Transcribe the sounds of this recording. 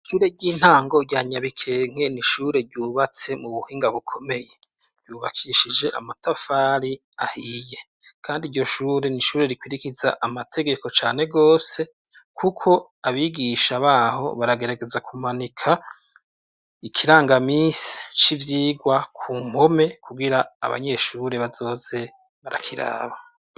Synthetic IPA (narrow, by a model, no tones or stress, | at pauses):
ʃuːɾe̞ɟiːn̥haːŋɡo̞ɟjaːɲaβikʰe̞ːŋ̥e̞niʃuːɾe̞ɾɟuːβat͡se̞muβuhiːŋɡaβukʰo̞me̞je̞̥ | ɟuːβakʰiʃid͡ʒe̞ʔa̰matafaːɾi | a̰hiːje̞ | kʰaːndiɾjo̞ʃuːɾe̞niʃuːɾe̞ɾikwiɾikizaʔamatʰe̞ɡe̞ko̞t͡ʃaːne̞ɡo̞ːse̞ | kʰukʰo̞ | aβiɡiʃaβaːho̞̰βaɾaɡe̞ɾaɡe̞zakumanikʰa | ikʰiɾaːŋɡamiːsi̥t͡ʃivjiːɡwakʰuːmo̞me̞kuɡiɾa̰ːβa̰ɲe̞ʃuːɾe̞βazo̞ːz̥e̞ | βaɾa̰kʰiɾa̰ːβa